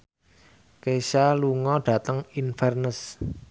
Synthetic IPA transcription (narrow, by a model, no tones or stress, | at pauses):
kesaluŋɔɖ̥ä̤t̪əŋinfɛrnəs